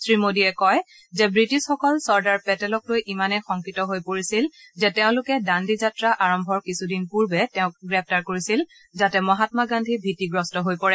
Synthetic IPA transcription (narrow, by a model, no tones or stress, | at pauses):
sɹimodiɛkɔj | zɛbɹitisxɔkɔlsɔɹdaɹpɛtɛlɔklojʔimanɛxɔŋkitɔɦojpoɹisil | zɛtɛʊ̃lʊkɛdandizatɹaʔaɹɔmbʱɔɹkisudinpuɹbɛtɛʊ̃k̚ɡɹɛp̚ʰtaɹkoɹisil | zatɛmɔɦatmaɡandʱibʱitːiɡɹɔstɔɦojpɔɹɛ